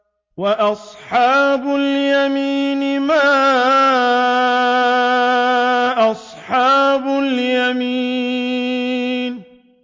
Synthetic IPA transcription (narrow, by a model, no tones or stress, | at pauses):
waʔɑsˤħɑːbʊljamiːnɪma | ʔɑsˤħɑːbʊljami | n